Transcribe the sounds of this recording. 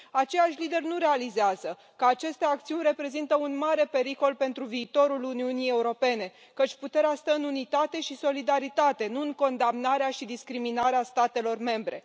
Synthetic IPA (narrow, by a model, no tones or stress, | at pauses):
at͡ʃe̞jaʃʲlid̪e̞rnuɾe̞alizeazə | kəat͡ʃe̞st̪e̞akt̪siunʲre̞pɾe̞zint̪əunmaɾe̞pe̞ɾiko̞lpe̞nt̪ɾuviːt̪o̞ɾuluniunije̞uɾo̞pe̞ne̞ | kət͡ʃʲput̪e̞ɾeast̪əɨnunit̪at̪e̞ʃiso̞lid̪aɾit̪at̪e̞nuɨŋko̞nd̪amnaɾeaʃid̪iskɾiminaɾeast̪at̪e̞lo̞rme̞mbɾe̞̰